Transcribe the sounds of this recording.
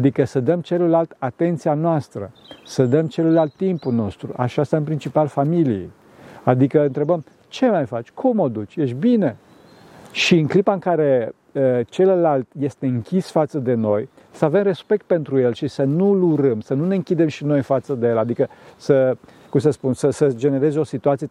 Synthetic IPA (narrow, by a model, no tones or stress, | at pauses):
ad̪ikəsəd̪əmt͡ʃe̞ləlalt̪at̪e̞nt̪sianoast̪ɾə̰səd̪əmt͡ʃe̞ləlalt̪ːimpulno̞st̪ɾṵʔa̰ʃast̪aɨnpɾint͡ʃipalfamilijḛj | ad̪ikəɨnt̪ɾe̞bəm | t͡ʃe̞majfat͡ʃʲkʰumod̪ut͡ʃʲje̞ʃbine̞ | ʃiɨŋklipaɨŋkaɾe̞ | ət͡ʃe̞ləlalt̪je̞st̪e̞ɨŋkʲisfat̪səd̪e̞no̞j | səave̞mre̞spe̞k̚t̪̚pe̞nt̪ɾujelʃisənuluɾəmsənune̞ɨŋkʲid̪e̞mʃino̞jfat̪səd̪ejelad̪ikəsəkumsəspunsəsəd͡ʒe̞ne̞ɾe̞zeo̞sit̪uat̪sije